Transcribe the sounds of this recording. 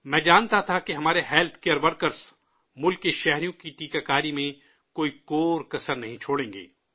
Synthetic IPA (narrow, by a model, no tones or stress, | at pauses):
mɛ̃ːd͡ʒaːnt̪at̪ʰakeɦɐmaːɾeɦɛːlt̪ʰkeːəɾʋɐɾkəɾz | mʊlkːeʃɛɦɾijõkiʈiːkakaːɾimẽ | koːikoːɾkɐsəɾnɐɦĩt͡ʃʰoːɽẽːŋɡḛː